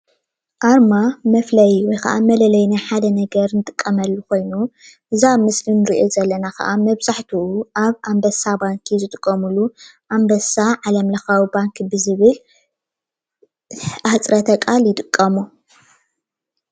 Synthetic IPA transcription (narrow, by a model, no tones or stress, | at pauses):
ʔaɾmamɐflɐjwɔjkɐ̰ʔamɐlɐlɐjnaħad̪ɐnɐɡɐɾnɨt̪ʼɨ̥kʼːɐmɐlːuko̞jnuʔɨzamɨslinɨɾiʔozɐlːɐnakɐ̰ʔamɐβzaħt̪ʰuuʔaβʔambɐsabaŋkʰizɨt̪ʼɨkʼːɐmuluʔambɐsaʕalɐmlɐxawibaŋkbɨzɨβɨl | ʔat͡sʼɾɐt̪ʰɐkʼaljɪt̪ʼɨkʼːɐmu